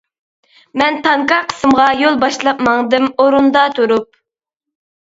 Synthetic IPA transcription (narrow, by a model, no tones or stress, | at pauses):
mɛnt̪ʰɑŋkɑqʰə̥sɨmʁɑjolˠbɑʃlˠɑp̪mɑŋd̪ɨmoɾund̪ɑt̪ʰuɾup̚